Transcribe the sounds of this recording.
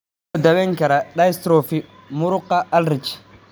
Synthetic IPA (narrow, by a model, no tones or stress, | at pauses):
dawɛŋkɛɾaɗajst̪ɾofi | muɾʊqːaalɾit͡ʃi̥